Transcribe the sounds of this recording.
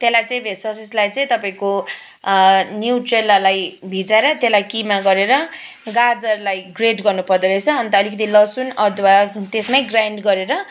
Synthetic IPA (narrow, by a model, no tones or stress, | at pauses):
t̪elajt͡sʌĩbʱeswʌsislajt͡sʌĩt̪ʌpaĩko | njuwʈrelalajbʱid͡zaɾʌt̪elajkimaɡʌɾeɾʌ | ɡad͡zʌrlajɡreʈɡʌrnupʌrd̪ʌɾʌt͡sʰʌːnt̪ʌːlikʌt̪ilʌsunʌt̪ʰwat̪esmajɡrajɳɖɡʌɾeɾʌ